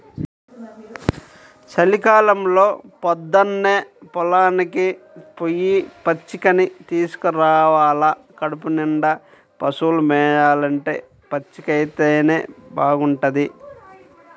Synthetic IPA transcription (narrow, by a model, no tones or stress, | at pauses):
sɐlikaːlɐmlo̞ːpɔd̪ːɐnːeːpɔlaːnikipojːipɐt͡ʃːikɐnit̪iːsu̥kuɾaːʋaːlɐ | kɐɽupuniɳɖɐ | pɐsuːlumɛːjaːlɐɳʈe̞ː | pɐt͡ʃːikɐjt̪eːne̞̰ːbaːɡuɳʈɐd̪i